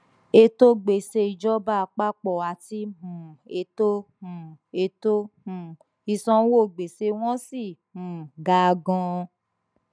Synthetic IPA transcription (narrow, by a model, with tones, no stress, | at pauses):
e˧to˦ɡ͡be˨se˧i˧d͡ʒɔ˦ba˦˨˧k͡pa˦k͡pɔ˨a˨ti˦mũ˨e˧to˦mũ˨e˧to˦mũ˨ | i˧sɔ̃˧˦wo˦˨ɡ͡be˨se˧w̃ɔ̃˦si˦˨mũ˨ɡa˧ɡɔ̃˧